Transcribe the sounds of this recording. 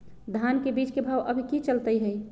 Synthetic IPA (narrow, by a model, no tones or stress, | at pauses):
d̪ʱankebiːt͡ʃkebʱaːwʔəbʱikit͡ʃəlt̪əiɦɛi